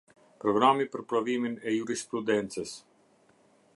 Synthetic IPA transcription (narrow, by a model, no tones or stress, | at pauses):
pɾɔɡɾamipəɾpɾɔviminɛjuɾispɾud̪ɛnt͡səs